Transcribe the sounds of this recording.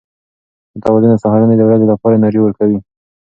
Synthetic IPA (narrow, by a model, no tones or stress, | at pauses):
d̪ət̪awɑd͡ʒʊnd̪əsɑɦɑɾaned̪əwɾazelapɑɾamɑɾiwəɾkawi